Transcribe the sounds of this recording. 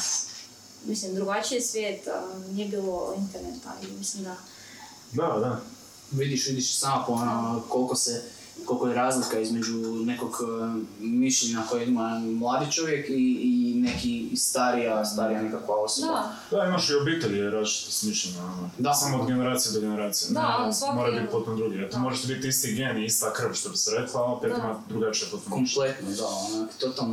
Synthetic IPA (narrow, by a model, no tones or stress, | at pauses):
mislimd̪ɾuɡat͡ʃiesʋʲjeːt̪niebiːlˠoint̪eɾnet̪a̰limislimd̪a | d̪ad̪a | ʋid̪iʃʋid̪iʃsamopoonoko̞lˠkose | ko̞lˠkojeɾaːzlikaizme̞d͡ʑune̞ko̞ɡ | miʃʎʲeɲako̞jeimamlˠaːd̪it͡ʃo̞ʋje̞kiːne̞kist̪aɾijast̪aɾijanekakʋao̞soba | d̪aimaʃiobiːt̪eʎiɾazt͡ʃi̥t̪usmiʃʎʲeɲaonod̪asamood̪ɡeneɾaːt̪sijed̪oɡeneɾaːt̪sijemoɾajbit̪̚pot̪omd̪ɾuɡiat̪omoʒaʃt̪ebit̪ist̪iɡenist̪akr̩ʋʃt̪obiseɾeklˠalpit̪oimad̪ɾuɡat͡ʃijeput̪okomplˠet̪nod̪aonakt̪o̞t̪alˠn